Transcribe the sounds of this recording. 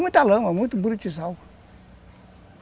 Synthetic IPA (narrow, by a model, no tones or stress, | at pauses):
mɨtaləmamutubɨɾt͡ʃis̬au